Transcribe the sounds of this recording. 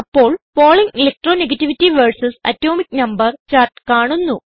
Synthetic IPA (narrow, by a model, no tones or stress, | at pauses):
ɐpːo̞ːɭpo̞ːɭiŋɡilek̚ʈroːneɡɐtːiʋitːiʋɐrsɐsɐ̰tːo̞ːmikːnɐmbɐrt͡ɕaːrʈkaːɳunːu